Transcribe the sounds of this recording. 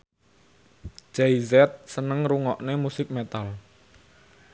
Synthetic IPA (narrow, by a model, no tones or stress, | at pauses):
d͡ʒɛizɛt̪̚sənəŋɾuŋɔʔnemusɪk̚mɛt̪al